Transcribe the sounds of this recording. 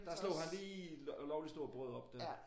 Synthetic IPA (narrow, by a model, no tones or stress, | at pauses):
d̥ɑslo̰ʊhænliːlɒʊlisd̥o̝ɐ̰b̥ʁœð̩ˠɒ̽b̥̚d̥æɐ